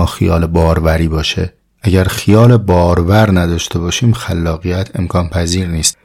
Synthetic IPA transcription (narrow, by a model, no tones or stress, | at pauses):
ɒːxijɒːlebɒːɾvæɾiːbɒːʃḛ | ʔæɟæɾxijɒːlebɒːɾvæɾnæd̪ɒːʃt̪ʰe̞bɒːʃiːmxælːɒːɣijæt̪ʰe̞mkʰɒːnpʰæziːɾniːst̪